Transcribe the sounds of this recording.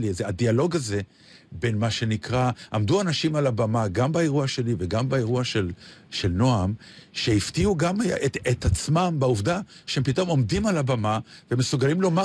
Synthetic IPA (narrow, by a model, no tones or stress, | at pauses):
lizeadialo̞ɡaze̞ | be̞nmaʃe̞nikʁaʔamduanaʃimalabamaɡambaeʁuaʃe̞live̞ɡambaeʁuaʃelʃe̞lno̞am | ʃe̞iftiuɡameetat͡smambauvdaʃeempito̞mo̞mdimalabamavemesuɡalimlo̞ma